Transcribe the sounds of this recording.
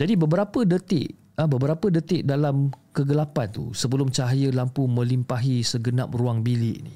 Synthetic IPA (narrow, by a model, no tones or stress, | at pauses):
d͡ʒadibəbəɾapədət̪ɪ̰ʔ | əbəbəɾapədət̪ɪʔ̚dalamkəɡəlapant̪ṵsəbəlʊmt͡ʃaɦajəlampumə̃limpaɦisəɡənap̚ruaŋbilɪʔnḭ